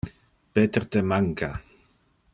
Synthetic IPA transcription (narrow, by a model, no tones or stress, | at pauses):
peːt̪ərt̪ɛmaŋkʰa